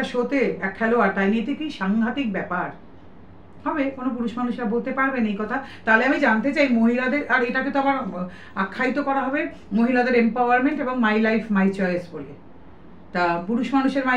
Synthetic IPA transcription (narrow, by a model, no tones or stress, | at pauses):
ʃot̪eɛkʰːaloaʈajnit̪ikiʃaŋɡʱat̪ikbɛpaɾ | hɔbekonop̬uɾuʃmanuʃɾabolˠt̪epaɾbenejkɔt̪ʰat̪aɦoleamid͡ʑant̪et͡ɕajmoɦilad̪eɾaɾeʈaket̪oabaɾ | akʰːajt̪okɔɾaɦɔbe | moɦilad̪eɾempawaɾmeɳʈeboŋmajlajfmajt͡ɕɔesbole | t̪apuɾuʃmanuʃeɾma